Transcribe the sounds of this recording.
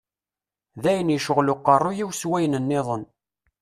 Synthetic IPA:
ðæjənjəʃəʁlʊqːɑrˤːʊjiwswæjnənːɪðˤən

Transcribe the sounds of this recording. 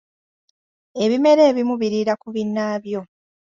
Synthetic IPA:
e̞βime̞ɾe̞ːβimuβiɾiɾakuβinːaːβjo̞

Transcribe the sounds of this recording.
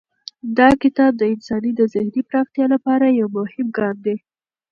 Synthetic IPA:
d̪ɑkɪt̪ɑb̚d̪əɪnsɑnid̪əzɪhnipɾɑxt̪jɑlapɑɾajawmʊhɪmɡɑnd̪e

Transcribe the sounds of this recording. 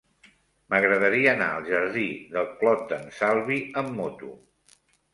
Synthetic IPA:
məɣɾəðəɾiəːna̰əlˠʒəɾðiðəlˠklɔt̪̚d̪ənsalˠβiəmːot̪ṵ

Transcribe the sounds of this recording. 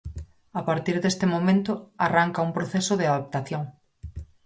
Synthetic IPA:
apaɾt̪iɾðest̪ɪmomẽnt̪ʊaraŋkɐumpɾoθesʊðɪaðap̚t̪aθjoŋ

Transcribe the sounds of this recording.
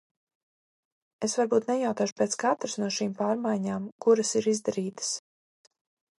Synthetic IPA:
esvaɾbuːt̪nɛjawt̪aːʃu̥peɛːt̪skat̪ɾɨsnuɔʃiːmpaːɾmajɲaːmkuɾasiɾizd̪aɾiːt̪ə̥s

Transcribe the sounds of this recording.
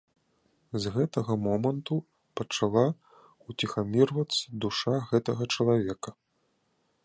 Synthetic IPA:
zɣɛt̪ɐɣɐmɔmɐnt̪u | pɐt͡ʂalˠa | ut͡sʲixamʲirvɐt̪sɐd̪uʂaɣɛt̪ɐɣɐt͡ʂɐlˠavʲɛkɐ

